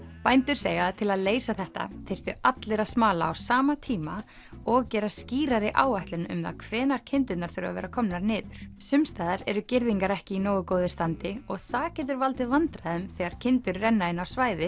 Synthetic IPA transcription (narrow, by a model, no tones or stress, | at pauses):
pajnt̪ʏɾ̥seːjat̪ʰɪlaðleːjsaθɛht̪a̰t̪ʰejr̥t̪ʏat̪lɛɾasmaːla̰ːwsaːmat̪ʰiːma | ɔɣcɛːɾasciːɾaɾɪʔaːwaht̪lʏnʏ̰mða̰kʰv̥ɛːnaɾcʰɪnt̪ʏt̪naɾ̥θʏɾa̰vɛ̰ːɾakʰɔmnaɾnɪːðʏɾ̥sʏmst̪aːðaɾɛɾʏcɪɾðiŋkaɾɛhcɪinoːwʏkoːwðɪst̪ant̪ɪɔɣθaðcɛːt̪̬ʏɾvalt̪ɪvant̪ɾaðɛmθɛːɣaɾ̥cʰɪnt̪ʏɾːɛnːaɪnawsvaːjðɪ